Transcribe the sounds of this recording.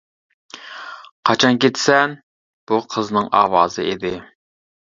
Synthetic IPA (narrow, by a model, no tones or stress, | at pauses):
qʰɑt͡ʃʰɑnkʲet̪sɛn | b̥uqʰəznɨŋʔɑ̰ːwɑːzɨed̪ɪ